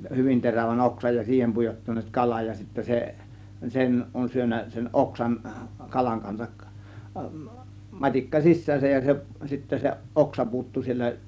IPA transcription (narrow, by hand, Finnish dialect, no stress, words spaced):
hyʋin teræʋæn oksɑj jɑ siːhem pujotːɑnˑeːt kɑlɑj jɑ sitːæ se sen on syønːæ sen ʔoksɑn kɑlɑŋ kɑnsɑk mɑtʲikːɑ sisˑæːsæj jɑ se sitːæ se ʔoksɑ puːtːu sielːæ